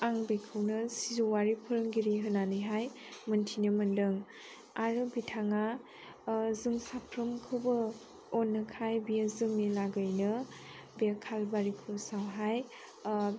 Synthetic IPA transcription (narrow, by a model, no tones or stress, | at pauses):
aŋbekʰɯwnɯsizuwaɾipʰɯɾɯŋɡiɾiɦɯnanɯjɦaj | mɯntʰinɯmɯndɯŋ | aɾɯbitʰaŋa | zɯŋsapʰɾɐmkʰɯwbɯ | ɔnːɯkʰajbijazɯŋnilaɡɯjnɯ | bijakʰalbaɾikʰɯwsawɦaj